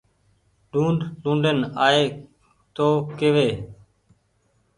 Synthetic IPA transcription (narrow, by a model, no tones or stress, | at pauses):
ɖũːɳɖlũːɳɖənaːeː | t̪oːkeːʋeː